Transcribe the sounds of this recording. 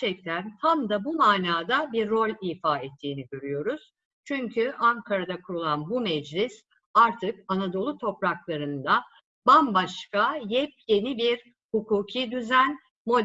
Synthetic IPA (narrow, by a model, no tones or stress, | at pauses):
t͡ʃʰɛk̚t̪ʰænt̪ʰamd̪abumaːnaːd̪abiɾːo̞lʲiːfaːɛt̪ʰːiːniɟø̞ɾyjo̞ɾuz̥ | t͡ʃʰyɲcʰyʔaŋkʰaɾad̪akʰuɾulˠanbumɛd͡ʒlʲɪs | aɾt̪ʰɯk̚anad̪o̞lˠut̪ʰo̞pɾaklˠaɾɯnd̪a | bambaʃkajɛp̚je̞nibiɾ | hukuːcʰid̪yzæn | mo̞d̪